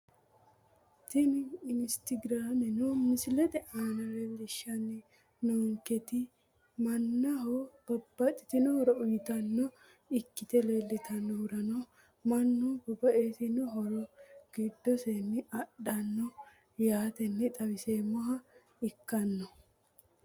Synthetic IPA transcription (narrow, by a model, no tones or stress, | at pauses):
t̪ɪmɪɪnst̪ɪɡɾaːmɛnɔmɪsɪlɛt̪ɛʔaːnɐɾɛlɪʃɐnːɪ | noːŋkɛt̪ɪ | mɐnːɐɦɔb̥ɐbːɐt̪ːɪt̪ɪnɔhɔɾɔʊjɪt̪ɐnːɔ | ɪkːɪt̪ɛleːlːɪt̪ʰɐnːɔhʊɾɐnɔ | mɐnːubɐbːɐʔeːt̪ɪnɔɦɔɾɔɡ̥id̪ːɔsenːɪɐɗːɐnːɔ | jaːt̪ɛnːɛt̪ʼɐwɪseːmɔɦɐ | ɪkːɐnːɔ